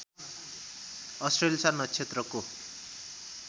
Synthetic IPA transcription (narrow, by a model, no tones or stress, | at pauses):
ʌsʈrelisanʌt͡sʰet̪rʌko